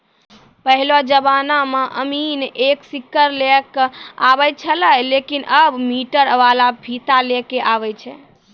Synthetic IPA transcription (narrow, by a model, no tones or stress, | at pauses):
pəɦilod͡ʒəbanamẽʔəmineksikːəɾlekabɛt͡ʃʰələlekinʔəbmiʈəɾəʋalabʱit̪alekeʔaβɛt͡ʃʰɛ